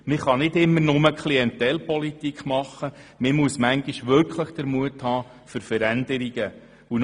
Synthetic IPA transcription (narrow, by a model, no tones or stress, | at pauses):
mɪχɑnɪtɪmːərnʊməkʰliɛnt̪ɛlpɔlit̪ikʰχmɑχːəmɪmuəsmæŋɡiʃʋʏɾkχləχd̪̥əɾmuəthɑː | fʏɾfəɾænd̥̪əɾiɡ̥ə | un